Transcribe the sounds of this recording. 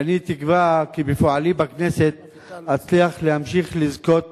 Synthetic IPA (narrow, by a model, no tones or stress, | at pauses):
anit̪ikvakibefoʕalimbakne̞se̞t̪̚ | at͡sliaχlehamʃiχlizko̞t̪̚